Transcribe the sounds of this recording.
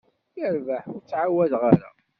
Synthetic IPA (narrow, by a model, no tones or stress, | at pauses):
jəɾvaħʊɾt͡sːʕawːæðʁaɾa̰